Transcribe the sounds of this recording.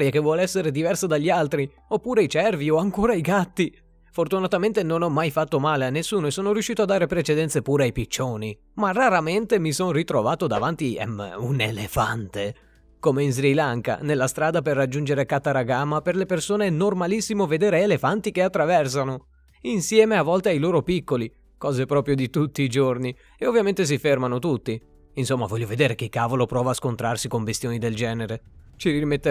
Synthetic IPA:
ɾjakevːwɔːleɛsːeɾed̪ivɛrsad̪aʎːialt̪ɾi | opːuːɾeajt͡ʃɛrvioaŋkoːɾaiɡat̪ːi | fort̪unat̪ament̪enonɔmːajfat̪ːomaːleanːesːuːnoesoːnoɾjuʃːiːt̪oad̪ːaːɾepɾet͡ʃed̪ɛnt̪sepuːɾeajpit͡ʃːoːni | maraɾament̪emisonrit̪ɾovaːt̪od̪a̰vant̪iɛ̰munelefant̪e | komeinz̬ɾilaŋka̰nelːast̪ɾaːd̪aperːad͡ʒːund͡ʒeɾekat̪ːaɾaɡaːmːaperlepersoːneɛnormalisːimoved̪eːɾeːlefant̪ikeat̪ːɾavɛrs̬ano | insjɛːmeavːɔlt̪eajloːɾopikːoli | kɔːzepɾɔːpɾjod̪it̪ut̪ːiːd͡ʒorni | eovːjament̪es̬ifermanot̪ut̪ːi | insomːavɔʎːoved̪eːɾekekːaːvolopɾɔːvaːskont̪ɾarsikombest̪joːnid̪eld͡ʒɛːneɾet͡ʃiɾiimet̪ːe

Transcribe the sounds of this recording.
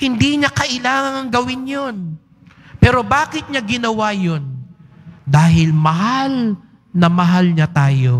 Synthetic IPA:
hɪnd̪iːɲakɐʔɪlaːŋɐŋɐŋɡɐwɪnjon | pɛːɾo̞baːkɪt̪̚ɲɐɡɪnɐwajon | d̪aːɦɪlmɐɦal | nɐmɐɦalɲɐt̪aːjo

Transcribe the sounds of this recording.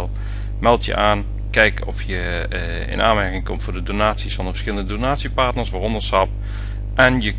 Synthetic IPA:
lˠ | mɛlˠtjə̰ʔaːn | kɛjkɔfjə | ɪ̰nʔaːnmɛɹkɪŋkɔmtfʊːɹdədonaːtsisfɑndəvəɹsχɪləndədonaːtsipɑɹtnəɹsʋaːrɔndəɹsɑp̚ | ʔɛnjə

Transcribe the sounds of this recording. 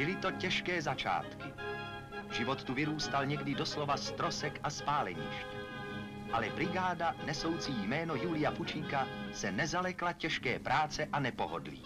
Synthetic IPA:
b̥ɪlɪt̪o̞cɛʃkɛːzat͡ʃa̰ːt̪kɪ | ʒɪvot̪ːuvɪɾuːst̪alɲɛɡdɪdo̞slo̞vast̪ɾo̞sɛkʔaspaːlɛ̰ɲḭːʃcɛ | ʔalɛbɾɪɡaːdanɛso̞wt͡siːjmɛːno̞juːlɪjafut͡ʃiːkasɛnɛzalɛklacɛʃkɛ̰ːpɾʔaːt͡sɛʔanɛpo̰ɦo̰dlḭː

